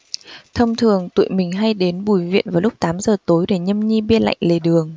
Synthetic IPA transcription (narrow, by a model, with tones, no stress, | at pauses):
t̪ʰə˧wŋ͡mt̪ʰɨ˨˩əŋt̪ṵ˧˨jmï˨˩ŋ̟ɦa˧jɗe˨˦nɓu˨˩jvḭ˧˨ənvaː˨˩lʊ˦˥k͡p̚t̪aː˨˦mzəː˨˩t̪o˨˦jɗe˧˩ɲə˧mɲi˧ɓi˧əla̰˧˨jŋ̟le˨˩ɗɨ˨˩əŋ